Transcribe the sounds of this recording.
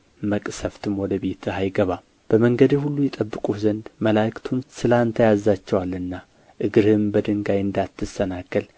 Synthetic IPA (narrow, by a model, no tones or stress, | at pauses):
məkʼsəft̪ʰɨmwɔd̪əbe̞t̪ʰajɡəβa | b̥əməŋɡəd̪ihulːujɛt̪ʼəbːɨkʼuzənd̪məlakt̪ʰumsɨlaɨnt̪ʰəjazat͡ʃːɛwalːɨnːa | ʔɨɡɨɾɨmbəd̪ɨŋɡajɨnd̪at̪ːɨsənakːəl